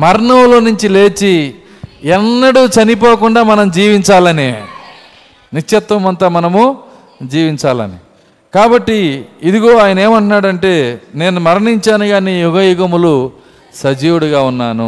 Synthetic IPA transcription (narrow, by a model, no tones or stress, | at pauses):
mɐɾɳɐwlo̞ːnuɲt͡ʃile̞ːt͡ʃi | ɛnːɐɽut͡ʃɐnip̬oːkuɳɖaːmɐnɐmud͡ʒiːʋiɲt͡ʃaːlɐni | nit͡ʃːɐt̪ʋɐmɐnt̪ɐːmɐnɐmu | d͡ʒiːʋiɲt͡ʃaːlɐ̰ni | kaːbɐʈːiːd̪iɡo̞ːaːjɐnɐe̞ːmɐɳʈunaːɽɐɳʈe̞ːne̞ːnumɐɾɐɳiɲt͡ʃaːnuɡaːniːjuɡɐjuɡɐmulu | sɐd͡ʒiːwuɽuɡaːunːaːnu